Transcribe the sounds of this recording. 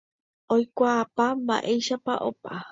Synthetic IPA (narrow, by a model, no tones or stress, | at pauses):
ojkʷaːpamba̰ʔejʃapaʔopa